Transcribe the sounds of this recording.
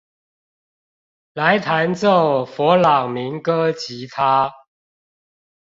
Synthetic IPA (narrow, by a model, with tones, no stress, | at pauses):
la˨˦ɪt̪ʰa˧˦nt͡so˥˨˩ʊfɔ˨˧˥lɑ˨˩ŋmi˨˦ŋkɤ˥t͡ɕi˨˦t̪ʰa˦